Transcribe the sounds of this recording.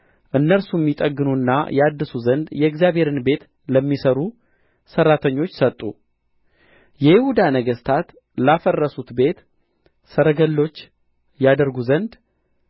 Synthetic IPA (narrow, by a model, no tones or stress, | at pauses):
ʔɨnːəɾsumːit̪ʼəɡːɨnunːa̰jad̪ːɨsuzənd̪jɛɛɡzjabhe̞ɾɨnbe̞t̪ | ləmːisəɾu | sərːat̪ʰəɲːo̞t͡ʃːsət̪ʼːu | jɛhɪhud̪anəɡəst̪ʰat̪ | lafərːəsut̪be̞t̪ | səɾəɡəlːo̞t͡ʃː | jad̪əɾɡuzənd̪